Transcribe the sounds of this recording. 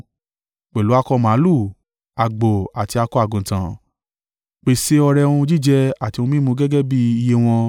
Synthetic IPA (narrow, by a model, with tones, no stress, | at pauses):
k͡pɛ˨lu˨˦a˧kɔ˧mã˨˦lu˦˨ | a˨ɡ͡bo˨a˨ti˨˧a˧kɔ˦a˦˨ɡũ˨tã˨ | k͡pe˨se˦ɔ˧ɾɛ˧ũ˧d͡ʒi˦˨d͡ʒɛ˧a˨tĩ˧ũ˧mĩ˦mũ˧ɡɛ˦ɡɛ˦bi˦i˧je˦w̃ɔ̃˧